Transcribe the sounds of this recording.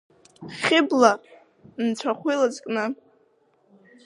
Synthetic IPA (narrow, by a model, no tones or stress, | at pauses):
χʲɪbla | nt͡sʷʰaχʷilad͡zkʼnɨ